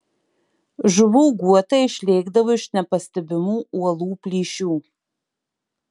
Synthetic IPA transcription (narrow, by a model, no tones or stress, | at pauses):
ʒʊvuːɡuɔtɐiʃʲlʲeːɡdɐvɐɪʃnɐpɐstɐbʲɪmuwɐlˠuːplʲiːʃuː